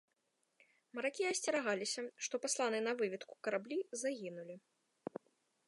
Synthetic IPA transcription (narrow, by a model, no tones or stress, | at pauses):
mɐɾakʲiɐsʲt͡sʲɛɾaɣalʲisʲɐʂt̪ɔpaslˠanɨnɐvɨvʲit̪ku̥kɐɾablʲizaɣʲinulʲi